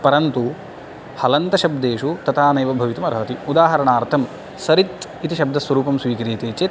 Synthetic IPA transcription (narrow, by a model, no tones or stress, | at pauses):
pɐɾɐnt̪u | hɐlɐnt̪ɐʃɐb̚d̪eːʂut̪ɐt̪ʰaːnɐjʋɐbʱɐʋit̪ɐmɐɾɐɦɐt̪iud̪aːɦɐɾɐɳaːɾt̪ʰɐm | sɐɾit̪ | it̪iʃɐb̚d̪ɐsʋɐɾuːpɐmsʋiːkɐɾiːt̪eːt͡ʃe